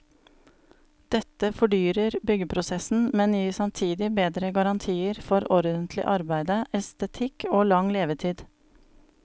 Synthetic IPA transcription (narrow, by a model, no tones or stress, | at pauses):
d̪̥ɛt̪əfɔɖyːɾəɾbʏɡəpʰɾʊsɛsn̩mɛnjiːsɑmt̪ʰiːd̪ɪbeːd̪ɾəɡɑɾɑnt̪ʰiːəɾfɔɾɔɾd̪ənt̪ʰlɪ̰ʔɑɾbæɪd̪əʔɛst̪ət̪ʰɪkʰoːlɑŋleːʋət̪ʰiːd̪